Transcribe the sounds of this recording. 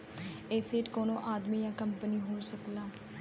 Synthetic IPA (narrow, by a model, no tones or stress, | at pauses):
eːseːʈkoːnõːʔaːd̪miːjãːkəmpəniːɦoːɾsəklaː